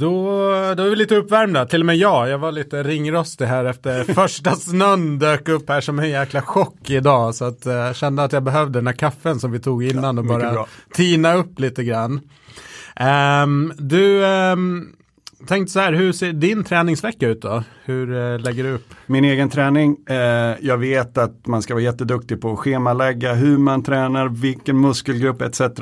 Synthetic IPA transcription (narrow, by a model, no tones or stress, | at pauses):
d̪̥ɔd̪ɔɛɾvɪliːt̪əɵpːvæɾmd̪at̪ʰɪlːɔmeːjɑːjɑːvaɭiːt̪əɾɪŋːɾɔst̪ɪɦæːɾɛft̪əɾfœʂʈasnɵnːd̪øːkɵpːhæːʂɔmɛnjæːklaɧɔkːɪd̪ɑːsɔat̪ɕɛnd̪əat̪jɑːbɛɦœvd̪əd̪ɛnhæːɾkʰafːənsɔmvɪt̪ʰuːɡɪnːanɔbɑːɾat̪ʰiːnaɵpːliːt̪əɡɾanː | d̪ɵ | t̪ʰɛŋkt̪əsɔhæːɾɦɵseːɖɪnt̪ʰɾɛːnɪŋsvɛkːaʉːt̪̚d̪ɔhɵɾlɛɡːəɖɵɵpːmɪneːɡənt̪ʰɾɛːnɪŋ | jɑːɡveːt̪at̪manskavɑːɾajɛt̪ːəd̪ɵk̚t̪ɪɡpʰɔːɧeːmalɛɡːaɦɵɾmant̪ʰɾɛːnaɾvɪlkənmɵskəlɡɾɵpːɛt̪sɛt̪əɾa